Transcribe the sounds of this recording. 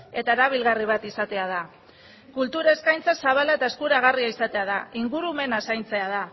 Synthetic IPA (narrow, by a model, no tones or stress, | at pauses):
e̞t̪aeɾaβ̞ilɣariβ̞at̪isat̪e̞að̞a | kult̪uɾae̞skajnt͡sasaβalae̞t̪ae̞skuɾaɣ̞ariaisat̪e̞að̞aiŋɡuɾume̞nasajnt͡se̞aða